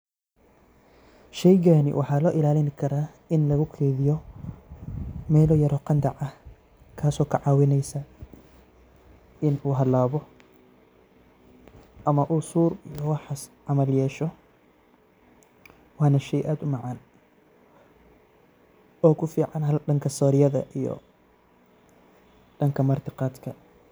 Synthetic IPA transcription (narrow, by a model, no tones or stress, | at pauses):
ʃɛjɡaːnɪ̰wʔɑħɑːlɔːʔɪlaːlɪnkʰɐɾaː | ɪnlɐɣʊkʰɛːðɪjɔ | mɛːlɔːjɐɾɔqɑnd̪ɐʕɐh | kʰaːsɔːkʰɐʕɑːwɪnɛjsɐ | ɪnuːɦɐlaːβɔ | ʔɐmɐʔuːsuːrijɔwɑħɑsʕɑmɐljɛːʃɔ | wɑːnɐʃɛjʔaːd̪ʊmɑʕɑːn | ɔːkʰʊfiːʕɑnɦɐlɖɐŋkʰɐsɔːɾɪjɐðɐʔijɔ̰ | ɖɐŋkʰɐmɐrt̪ʰɪqɑːd̪kʰɐ